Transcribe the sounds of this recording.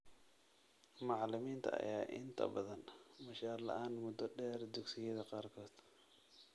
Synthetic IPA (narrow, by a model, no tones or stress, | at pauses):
mɑʕlɪmiːnt̪ʰɐ̰ʔɐ̰jaːʔɪnt̪ʰɐ̰bɐðɐnmɐʃaːrlɐ̰ʔaːnmʊd̪ɔɖɛːrd̪ʊɡsɪjɐðɐqɑːrkʰɔːd̪̥